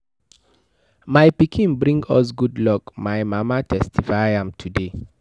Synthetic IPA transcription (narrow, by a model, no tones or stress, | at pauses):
majpikʰĩnbɹĩŋɡɔs̬ɡudlɔkmajmamatʰɛstʰifaɪãmtʰude